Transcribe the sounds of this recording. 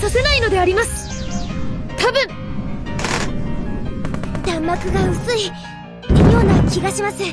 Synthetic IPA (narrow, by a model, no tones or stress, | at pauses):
sase̞naino̞d̪e̞aɾʲimasɨ̥ | t̪abɯ̟̃ŋ | d̪ãmːakɯ̟ɡaɯ̟sɨi | joːnakʲiɡaɕimasɨ